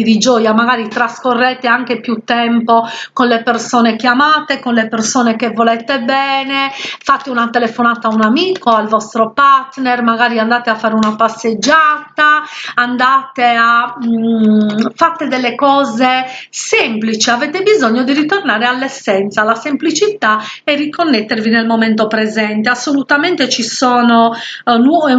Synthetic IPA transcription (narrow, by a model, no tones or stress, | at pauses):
id̪id͡ʒɔːjamaɣaːɾit̪ɾaskorːɛːt̪eaŋk̟epjut̪ːɛmpokonlepersɔːnekjamaːt̪ekonlepersɔːnekevːɔlɛt̪ebɛːnɛfat̪ːeunat̪ɛlɛfɔnaːt̪aunamiːkoalvɔst̪ɾɔpart̪nɛrmaɣaːɾiand̪aːt̪eafːaːɾeunapasːed͡ʒːaːt̪aand̪aːt̪ea | fat̪ːɛd̪ɛlːekɔːzesemplit͡ʃiavɛt̪ebizoɲːɔd̪irit̪ornaːɾealːɛsːɛnt̪salasemplit͡ʃit̪aɛrːikonːɛt̪ːeɾvinɛlmɔmɛnt̪opɾɛzɛnt̪easːolut̪amɛnt̪et͡ʃisɔːnonɔ